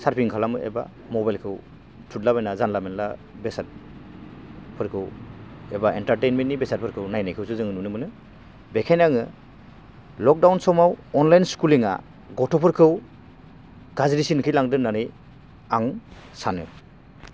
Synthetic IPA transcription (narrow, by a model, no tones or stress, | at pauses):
saɾpʰiŋkʰalamɯʔḛba̰ | mɔbajlkʰɯw | tʰutlabajnazanlamenla̰ | besat̚ | pʰɯɾkʰɯwebaentaɾtejnmentːnːibesat̚pʰɯɾkʰɯwnajnajkʰɯwsɯzɯŋɯnunɯmɯnɯ | bekʰajnaŋɯ | lɔk̚dawnsɔmawɔnlajnskuliŋa̰ | ɡɔtʰɔpʰɯɾkʰɯw | ɡazɾisinkʰɯjlaŋdɯnanɯj | aŋ | sanɯ̰